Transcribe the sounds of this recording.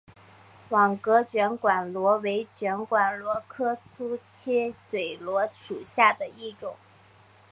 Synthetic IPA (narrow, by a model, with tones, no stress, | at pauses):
wɑ˨˩ŋkɤ˧˥t͡ɕɥɛ˧˥nkwa˨˩nlwɔ˧˥we˧˥ɪt͡ɕɥɛ˧˥nkwa˨˩nlwɔ˧˥kʰɤ˥t͡sʰu˥t͡ɕʰɛ˥t͡swe˨˩ɪlwɔ˧˥ʂu˨˩ɕja˥˩d̪ə˩i˥˩ʈ͡ʂʊ˨˩˦